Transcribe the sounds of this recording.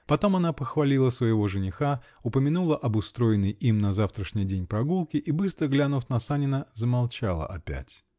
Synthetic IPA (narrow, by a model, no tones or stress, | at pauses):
pɐt̪o̞mɐnapəxvɐlʲilˠəsvəjɪvo̞ʐɨnʲɪxa | ʊpəmʲɪnulˠəʔɐbʊst̪ɾo̞jɪnːəjimnɐzaft̪ɾəʂnʲɪjdʲenʲpɾɐɡulˠkʲɪʔibɨst̪ɾəɡlʲanʊfnɐsanʲɪnəzəmalˠt͡ɕalˠə̰ʔɐpʲæ̰tʲ